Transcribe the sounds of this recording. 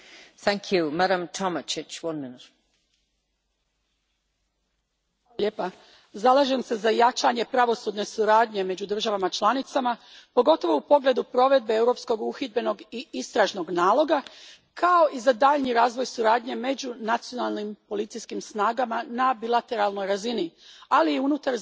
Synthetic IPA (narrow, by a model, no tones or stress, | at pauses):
θæ̃ŋkʰjumaɾə̃mtʰɔmət͡ʃɪt͡ʃwʌ̃nmɪnɪt | aalʎeːpa | zalˠaʒe̞mse̞zajat͡ʃaɲe̞pɾaʋo̞sud̪ne̞suɾaːd̪ɲe̞me̞d͡ʑud̪r̩ʒaʋamat͡ʃlˠanit̪samapo̞ɡo̞t̪o̞ʋo̞upo̞ɡle̞d̪upɾo̞ʋe̞d̪̚be̞ewɾo̞psko̞ɡuxid̪̚be̞no̞ɡiist̪ɾaʒno̞ɡnaːlˠo̞ɡa | kʰao̞ʔizad̪aʎniɾaːzʋojsuɾaːd̪ɲe̞me̞d͡ʑunat̪sijo̞nalˠnimpo̞lit̪sijskimsnaːɡamanabilˠat̪e̞ɾalˠno̞jɾazinialiːunut̪aɾ